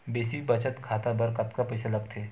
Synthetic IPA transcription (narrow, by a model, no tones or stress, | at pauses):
beːsibɐt͡ʃət̪kʰaːt̪abɐɾkɐt̪kapɐɪsalɐɡt̪ʰeː